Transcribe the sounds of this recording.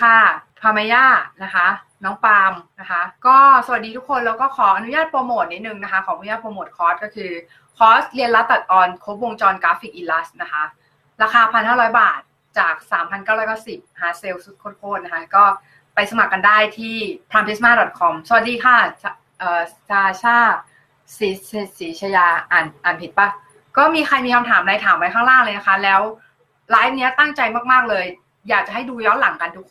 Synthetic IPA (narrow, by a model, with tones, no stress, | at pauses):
kʰa˥˩pʰaː˧ma˧˦jaː˥˩t̪̚na˦˥kʰa˦˥ | nɔː˦˥ŋpaː˧mna˦˥kʰa˦˥kɔː˥˩sa˨˩a˨˩t̪̚diː˧u˦˥kʰo˧nlɛː˦˥wkɔː˥˩kʰɔː˩˦ʔa˧nu˦jaː˥˩t̪̚po˧moː˨˩t̪̚ni˦˥t̪nɯ˨˩ŋna˦˥kʰa˦˥kʰɔː˩˦ʔnu˦jaː˥˩t̪poː˧moː˨˩t̪̚kʰɔː˦˥st̪̚kɔː˥˩kʰɯː˧ | kʰɔː˦˥st̪̚li˧ənla˦˥a˨˩t̪̚ʔɔː˧nkʰo˦˥p̚wo˧ŋt͡ɕɔː˧nkɾaː˦˥fi˨˩k̚ʔi˧nla˦˥st̪̚na˦˥kʰa˦˥ | ɾaː˧kʰaː˧pʰa˧nhaː˥˩ɾɔː˦˥jbaː˨˩t̪̚ | t͡ɕaː˨˩k̚saː˩˦mpʰa˧nkaː˥˩wɾɔː˦˥jkaː˥˩si˨˩p̚na˦ka˧˥se˧wsu˦˥t̪̚kʰoː˦˧˥t̪̚kʰoː˧˩t̪̚na˦˧kʰa˦˥kɔː˥˩ | pa˧jsa˧ma˨˩kːa˧ndaː˥˩jt̪ʰiː˥˩pʰɾaː˧mpʰi˦˥smaː˥˩dɔ˨˩t̪̚kʰɔ˧msa˧wa˨˩diː˧kʰaː˥˩t͡ɕʰ | ʔɤː˨˩t͡ɕʰaː˧t͡ɕʰaː˥˩ | siː˩˦ssiː˨˩˦t͡ɕʰa˧jaː˧ʔaː˨˩nʔaː˨˩npʰi˨˩t̪̚pa˦˥˩ | kɔː˥˩miː˧xʰa˧jmiː˧kʰa˧mt̪ʰaː˩˦mla˧jt̪ʰaː˩˦mwa˧jkʰaː˥˩ŋɾaː˥˩ŋlɤː˧na˦˥kʰa˦˥lɛː˦˥w | laː˦˥j̚ni˦˥ɐt̪a˥˩ŋt͡ɕa˧jmaː˥˩k̚maː˥˩k̚lɤː˧j | jaː˨˩k̚t͡ɕa˨˩ɦa˥˩jduː˧jɔː˦˥nla˩˦ŋka˧ndu˧˩